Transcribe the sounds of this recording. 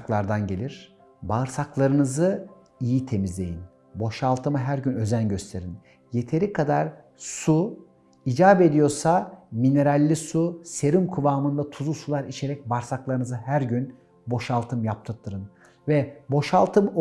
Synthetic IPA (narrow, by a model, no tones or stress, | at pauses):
klˠaɾd̪anɟe̞lʲiɾ̥ | baɯɾsaklˠaɾɯnɯzɯ | ijit̪ʰe̞mizlʲe̞̰jin | bo̞ʃalˠt̪ʰɯmɯɦæɾɟynø̞zænɟø̞st̪ʰe̞ɾin | je̞t̪ʰe̞ɾikʰad̪aɾ | su | id͡ʒaːbe̞d̪ijo̞ɾsamine̞ɾalʲːisuse̞ɾymkʰuvaːmɯnd̪at̪ʰuzusulˠaɾit͡ʃʰe̞ɾɛc̚baɾsaklˠaɾɯnɯzɯhæɾɟyn | bo̞ʃalˠt̪ʰɯmjap̚t̪ʰɯɾt̪ʰːɯɾɯn | vɛbo̞ʃalˠt̪ʰɯm